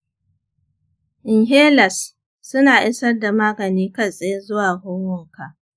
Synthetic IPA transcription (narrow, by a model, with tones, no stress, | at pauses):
ʔɪ˨ŋɦeː˦lɐ˨sː | ʊ˦naː˨ʔɪ˦sɐ˦rda˨maː˦ɡɐ˨niː˦kɐ˦˨sʼe˦je˦zʊ˦waː˨hʊː˦wo˦˨ka˨ʔ